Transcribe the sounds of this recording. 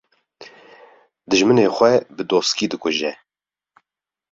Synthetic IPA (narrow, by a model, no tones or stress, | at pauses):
d̪ɨʒmɨneːxʷɛbɨd̪oːskiːd̪ɨkʰʊʒɛ